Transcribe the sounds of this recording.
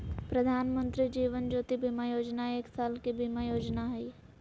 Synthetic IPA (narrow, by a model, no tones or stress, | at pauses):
pɾəd̪ʱaːnmə̃nt̪ɾid͡ʒiːʋənd͡ʒoːt̪ibimajoːd͡ʒnaeːksaːlkibimajoːd͡ʒnaɦɛi